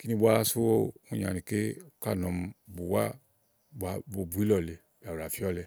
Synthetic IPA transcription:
ki˦nĩ˦˧bʷa˦su˦o˦˧u˦˨ɲa̰˨nĩ˨ke˦u˧ka˦˨nɔ̃˨m̩˧bu˨wa̰˦ | ba˧˨bo˧bu˨˦i˦lɔ˨le˨ | ba˨u˨ɾa˨fi˦ɔ˦lɛ˧

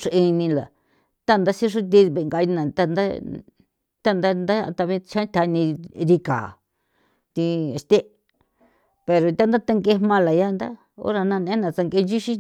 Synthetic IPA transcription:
ʂu˧ʔi˧nĩ˧la̰˨ | t̪a˦˧nd̪a˦si˦ʂ̬u˦t̪̬i˧βe˧˨ŋɡa˧nã˨t̪a˦˨nd̪a˦ | t̪a˦˧nd̪a˦nd̪a̰˦˧t̪a˧βĩ˧t͡ʃã˦t̪ʲʰa˧˦nĩ˧ɾi˧ka̰ː˨ | t̪i˧e˧st̪e˦ | pe˨ɾo˨t̪ʲa˦nd̪a˦t̪a˧ŋɡe˧˦mã˧la˨ja˦˧nd̪a˦ | o̰˦ɾa˧nã˧nẽ˧˦nã˨t͡sa˧ŋɡe˧d͡ʒi˦ʃi˦

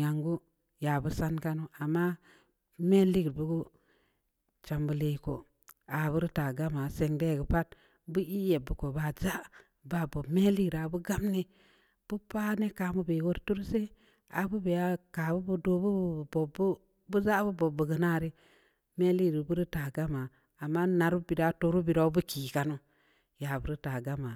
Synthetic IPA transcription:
a˨ŋɡu˦ | ja˨bu˦sa˦nka˦nu˦a˨mːa˦ | me˦li˦ɡɾbu˦ɡu˦ | t͡ʃa˨mbu˨le˨ko̰˨ | a˨bu˦ɾi˦ta˨ɡa˦ma˨se˨ŋde˦˨ɡə˨pa˦t̚ | bu˦i˦je˨bːu˨ko˨ba˨za˦ | ba˦˨bo˨bme˦li˦ɡɾa˨bu˦ɡa˦mni˦ | b̥u˦pa˦ne˦ka˨mu˦be˨wo˦ɾtu˦ɾse˦ | a˨bu˦be˨ja˦ka˨bu˦bu˦do˦bu˦bbo˨b | bu˦za˦bu˦bo˨bə˨ɡə˨na˦˨ɾi˦ | me˦li˦˨ɾi˨bu˦ɾi˦ta˨ɡa˦ma˨ | a˨mːa˦na˨ɾu˦bi˨da˨˦to˨ɾu˦bi˨ɾa˦bu˦kiː˨ka˨nu˦ | ja˨bu˦ɾi˦ta˨ɡa˦ma˨

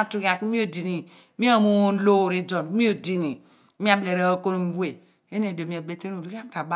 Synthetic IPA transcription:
a˦tu˨˦ka˨kmi˦o˨di˨ni˨ | mi˦o˦˨mu˦o˦n˦lo˦˨ɾi˦d͡ʒo˨n˦mi˦o˨di˨ni˨˦ | mi˦a˦˨ble˨ɾe˦o˦ko˦n˨m̩˦bu˦e˨ | e˦n˦e˨do˨mi˨a˨be˦te˦n˦o˨ɾu˦ka˦m˦ta˨ba˦

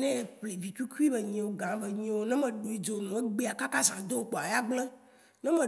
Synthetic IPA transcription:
nɛ̃˦˨ple˨vi˨t͡ʃu˦ku˦i˦be˨ɲĩ˨wo˨ɡã˨˦ve˨ɲĩ˨wo˦nɛ̃˦mẽ˨ɖo˨i˦d͡ʒo˨nũ˨e˦ɡ͡be˦˨a˨ka˦ka˦zã˨d̪o˦k͡po˨a˨ja˦ɡ͡ble˦ | nɛ̃˦mẽ˨

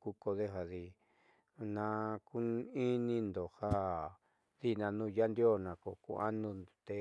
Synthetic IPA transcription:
ku˧ko˧ðe˦ɦa˧ði˧ | nã˧ku˦i˦nĩ˧nd̪o˨ha˦ | ði˦˨nã˧nũː˦˧˨ja˦nd̪jo˦˨nã˨ko˧˨kṵ˧ʔa̰˦nũ˧t̪e˧

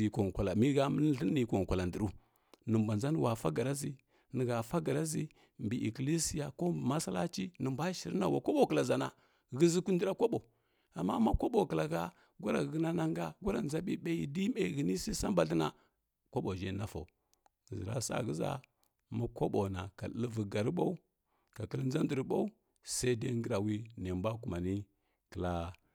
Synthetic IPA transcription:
i˨ko˨ŋ˨kʷa˨la˨mi˦ɣa˦mə˦ɬi˦i˨ko˨ŋ˨kʷa˨la˨ndi˨ɾu˦ | nə˨mba˨nza˦n˦˨wa˨fa˦ɡa˨ɾa˦zi˦ | nə˨ɣa˨fa˦ɡa˨ɾa˦zi˦ | mbi˨ʔi˨kli˦si˨ja˨ko˦bma˦sa˦la̰˦t͡ʃi˦nə˨mba˦ʃi˨ɾna˨wa̰˨kʷo˦ɓo˦˨kə˨la˨za˨na˨ | ɣi˦zi˦ku˦n˦di˦ɾa˦kʷo˦ɓo˨ | a˨mːa̰˦ma˦ko˦ɓo˨kə˨la˨ɣa˦ | ɡʷu˦ɾa˨ɣɣə˦na˦na˦ŋɡa˦ɡʷu˦ɾa˨n˦za˦ɓi˦ɓa˦ji˨di˦me˨ɣə˨ni˦sa˦sa˦mba˨ɬi˦na̰˨ | kʷo˦ɓo˨d͡ʒe˦˨na˦fa̰˨u˨ | zi˨ɾa̰˦sa̰˦˨ɣə˦za̰˦ | ma˦kʷo˦ɓo˨na˨ka˨də˦lvə˨ɡa˨ɾɓa˦u˦ | ka˨kə˦ln˦za˦ndə˨ɾɓa˦u˦ | sa˦i˦de˦ŋɡə˦ɾa˨wi˦ne˨mba˦ku˨ma˨ni˦ | kə˨la˨

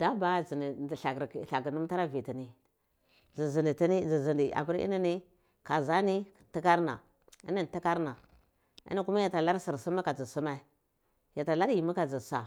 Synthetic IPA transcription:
d̥a˦ba˦zi˨ni˨i˨ɬa˨ɡɾɬa˨ɡi˨nu˦m˦ta˦ɾa˦vi˨ti˨ni˦ | zi˨zi˨ni˨ti˦ni˦zi˨zi˨ndi˨a̰˨bu˦ɾḭ˦ni˦ni˦ | ka˨za˦ni˦˨ti˦ka˦ɾna̰˨ | ḭ˦ni˦n˨ti˦ka˦ɾna˨ | ḭ˦ni˦ku˦ma˦ja˨ta˨la˦ɾsi˨ɾsu˦ma˦ka˨d͡zi˨su˦ma˦i˦ | ja˨ta˨la˦ɾji˨mu˦ka˨d͡zi˨sa̰˨

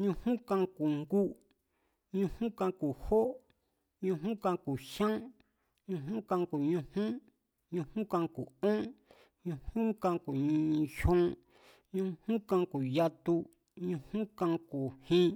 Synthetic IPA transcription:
ɲũ˧hũ˦kã˧ku˨ŋɡu˦ | ɲũ˧hũ˦kã˧ku˨ho˦ʔ | ɲũ˧ɦũ˦kã˧ku˨ʃã˦ | ɲũ˧ɦũ˦kã˧ku˨ɲũ˧hũ˦ | ɲũ˧hũ˦kã˧ku˨õ˦ | ɲũ˧hũ˦kã˧ku˨ɲĩ˧ʃõ˦ | ɲũ˧hũ˦kã˧ku˨ja˧t̪u˧ | ɲũ˧hũ˦kã˧ku˨hĩ˦

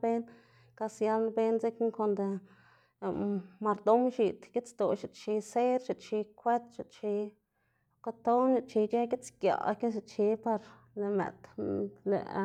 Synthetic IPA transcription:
be˦n | ka˧sja˧lnbe˦nze˦kŋko˧nd̪ | ma˧ɾd̪o˦mʃi˨t̪ɡe˦t͡st̪o˨ʃi˧˨t͡ʃi˧se˦ɾʃi˧˨t͡ʃi˧kʷe˦t̪ʃi˧˨t͡ʃi˧ | ka˧t̪o˦ni˧t͡ʃi˧t͡ʃe˦ɡe˦t͡skja̰˨˧ke˦ʃ̬i˧t͡ʃi˧pa˧ɾ | le˨mḛ˨t̪lḛ˨

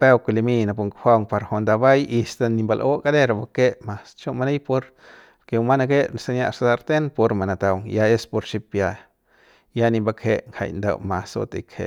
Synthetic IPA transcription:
pe˦wku˧li˧mi˦na˨pu˧ŋkxʷa˦˧wŋpa˧ɾho˧nd̪a˧ba˦ji˧st̪a˧ni˧mba˧lʔo˦ka˦d̪e˦ɾa˧ba˧ke˦ma˨st͡ʃo˦ma˧ne˦jpo˧ɾ | ke˧wma˦na˧ɡe˦na˨sa˧nja˧ʔsa˧d̪a˧ɾt̪e˦npo˧ɾma˨na˨t̪a˧wŋja˧e˦spo˧ɾt͡ʃi˧pja˧ | ja˦ni˧ba˧kʰe˧ʔŋha̰˧˨jnd̪a̰˧˨wma˨so̰˧t̪ḛ˨khḛ˨

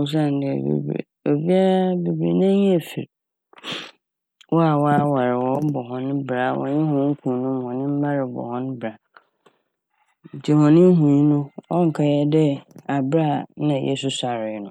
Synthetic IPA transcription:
ʊ˦s̬ã˦n˨˦dɪ̰˨bḛ˨bɾḭ˨ | o˨bi˦a˦be˨bɾḭ˨nã˦ɲ˦e˨fḭ˨ɾ | wɔ˦a˨wɔ˦a˦wa˨ɾɪ˨wɔ˦bɔ˨ɦɔ̃˦n˦bɾa˨wʔɔ̰̃˨ɲɪ̃˦ɦʊ̃˨˦ŋ̩˦kʰũ˨nʊ̃˦m˦hɔ̃˨nɪ̃˦m̩˦ba˦ɾɪ˨bɔ̰˨hɔ̃˦n˦bɾa˨ | n̩˨tʰi˦hɔ̃˨nɪ̃˦ɦũ˨˦nʊ̃˦ɔ˦ŋ̩˨kʰa˨jɛ˦dɛ˦a˨bɾa˦˨nã˨jʔɛ̰˦sʊ˦sa˨ɾɪ˨˦nʊ̃˦

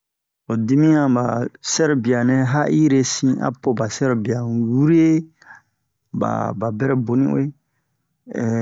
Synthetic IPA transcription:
o˨di˦mĩ˦ã˨ba˨sɛ˦ɾbi˨a˨nɛ̃˦ɦa˦ʔi˦ɾe˦sĩ˦a̰˦po˦ba˨sɛ˦ɾbi˨a˨wu˦ɾi˦e˦ | ba̰˨ba˨bɛ˦ɾɛ˨bo˨nḭ̃˦o̰˦e˦˨

